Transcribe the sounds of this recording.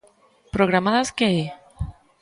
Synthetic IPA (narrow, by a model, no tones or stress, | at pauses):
pɾoɣ̞ɾamaðaskee